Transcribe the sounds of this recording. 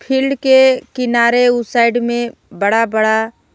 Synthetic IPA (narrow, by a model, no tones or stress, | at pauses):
pʰɪlɖkekɪnaːɾeʊsaːɪɖmẽbəɽabəɽa